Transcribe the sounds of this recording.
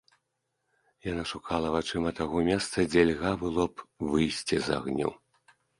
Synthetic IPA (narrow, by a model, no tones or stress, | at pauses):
janaʂukʰalˠɐvat͡ʂɨmɐt̪aɣɔmʲɛst̪sɐd͡zʲɛlʲɣabɨlˠɔpvɨjsʲt͡sʲiza̰ɣnʲɔ̰